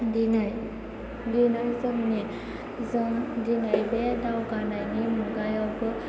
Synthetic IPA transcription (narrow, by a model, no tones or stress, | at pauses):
dinaj | dinajzɯŋni | zɯŋdinajbɛdawɡanajnimuɡajawbɯ